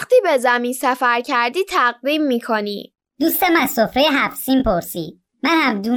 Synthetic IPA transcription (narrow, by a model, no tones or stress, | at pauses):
qt̪iːbe̞zæmiːnsæfæɾcʰæɾd̪iːt̪ʰæɢ̚d̪iːmːiːkʰoniː | d̪̥uːst̪emæzsofɾejeɦæfsiːnpʰoɾsiːd̪̥̚ | mænhæmd̪uː